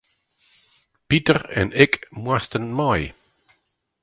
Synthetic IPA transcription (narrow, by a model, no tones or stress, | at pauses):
pitəɾɛ̰nɪkmwastənmaj